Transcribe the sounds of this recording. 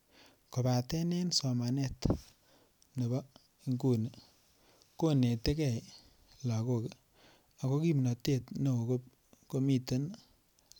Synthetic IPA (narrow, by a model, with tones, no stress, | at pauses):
ko˨ba˨tɛ˦ne˦nsɔ˨ma˨ne˦t | ne˨bɔ˦ | i˦ŋku˦ne˨ | ko˦ne˨te˦kɛ˨j | la˨ko˦˨ke˨ | a˨ko˦ki˦mna˨te˦˨tne˨o˨ko˦ | ko˦mi˦te˦n